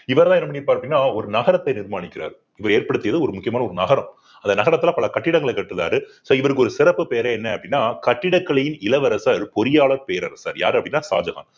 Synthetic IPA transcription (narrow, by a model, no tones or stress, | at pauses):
ɪʋɐɾɐlaːɛnːɐmɐɳpːaːɾɐpːɐɽɪnːaːɔɾɯnɐɣɐɾɐt̪ːɐɪnɪɾmaːnɪkːɪɾa̰ːɾ | ɪʋɐɾeːɾpɐɽɯt̪ːɪjɐðɯɔɾɯmʊkːɪjɐmaːnɐɔɾɯnɐɣɐɾɐm | ɐnd̪ɐnɐɣɐɾɐt̪ːlãːpɐlɐkɐʈːɪɽɐŋɡɐɭɐɪkɐʈːɯða̰ːɾɯsoːɪʋɐɾɯkːɯɔɾɯsɪɾɐpːɯpeːɐɾeːɛnːɛɐpːɐɽɪnːaːkɐʈːɪɽɐkːɐɭɐjɪnɪlɐʋɐɾɐsaɾpɔɾɪjaːɭɐɾpeːɾɐ̰ɾsa̰ːɾja̰ːɾɯɐpːɐɽɪnːaːsa̰ːd͡ʒɐɣa̰ːn